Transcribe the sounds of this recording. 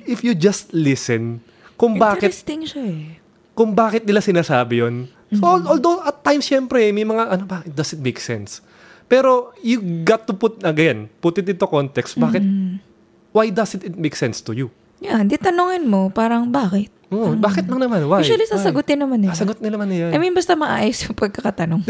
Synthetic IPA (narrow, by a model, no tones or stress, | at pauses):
ʔɪfjud͡ʒɐst̪lɪsɛn | kʊŋbaːkɪt̪st̪ɪŋʃɐɛ | kʊŋbaːkɪt̪̚nɪlasɪnaːsaːbɪjon | soʔold̪owʔɐt̪ːajmsʃɛmpɾɛmɐjmɐŋaʔɐnobakɪt̪̚d̪ɐsɪt̪̚mejksɛns | pɛːɾo̞jʊɡat̪ːʊpʊt̪̚ɐɡɐɛnpʊt̪ɪt̪ɪnt̪okont̪ɛkst̪̚baːkɪt̪̚ | wajd̪ɐsɪt̪ɪt̪̚mejksɛnst̪ʊju | jand̪it̪ɐnoŋɐnmo̞paːɾɐŋbaːkɪt̪̚ʔobaːkɪt̪̚mɐŋnɐmanwajʃɐlisaːsɐɡʊt̪ɪnɐmansɐɡot̪̚nɪnɐmanɐjaɐminbɐst̪ɐmɐʔaːjosjʊŋpɐɡ̚kɐkɐt̪ɐnoŋ